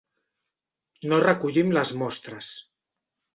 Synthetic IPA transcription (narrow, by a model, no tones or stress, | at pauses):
norəkuʎimləzmɔst̪ɾəs